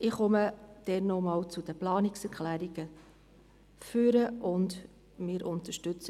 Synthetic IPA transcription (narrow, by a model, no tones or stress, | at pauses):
ʔɪχɔməd̪̥ɛnɔmɑːwt͡sʊd̥̪əplɑːnɪksɛɾkχlæːɾiɡ̥ə | fyːɾəʔʊnd̪ | mɪːɾʔʊnt̪əʃtʏt͡sə